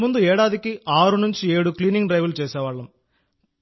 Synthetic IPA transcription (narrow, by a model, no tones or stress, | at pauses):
mund̪uɛːɽaːd̪ikiʔaːɾunuɲt͡ʃieːɽukliːniŋɡʈɾɐjʋɐlt͡ʃɛːsɛːʋaːɭːɐm